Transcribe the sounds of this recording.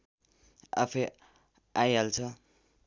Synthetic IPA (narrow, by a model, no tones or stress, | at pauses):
a̰pʰe | ajɦalt͡sʰʌ